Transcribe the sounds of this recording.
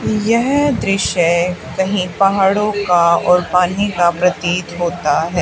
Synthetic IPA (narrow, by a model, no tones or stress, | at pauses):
jɛɦd̪ɾɪʃəkɐɦĩpaɦaɽõkaɔːɾpaːn̤ikapɾɐt̪iːt̪ɦoːt̪aɦɛː